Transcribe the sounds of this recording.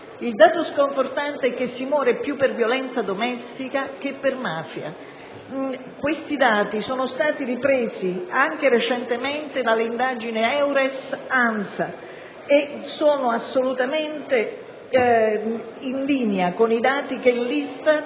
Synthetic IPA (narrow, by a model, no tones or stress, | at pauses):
ild̪aːt̪oskoɱfort̪ant̪eɛk̟ːesːimwɔːɾepjupːervjolɛnt̪sad̪omɛst̪ikak̟epːermaːfja̰ | kwest̪id̪aːt̪isɔːnʊst̪aːt̪iripɾeːziaŋk̟eɾet͡ʃɛnt̪emɛnt̪ed̪alːeind̪aːd͡ʒineɛwɾɛsansa | esoːnʊasːolut̪ament̪e | inliːneakonid̪aːt̪ik̟elːist̪a